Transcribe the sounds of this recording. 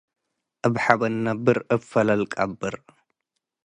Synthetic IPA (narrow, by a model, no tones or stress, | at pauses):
ʔɨβħaβɐnːɐbɨɾɨfɐlɐlkʼɐbːɨɾ